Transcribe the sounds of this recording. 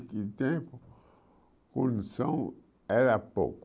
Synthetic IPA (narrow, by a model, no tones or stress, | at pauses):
kit̪ẽpo | kũnsõ | eɾapo̰k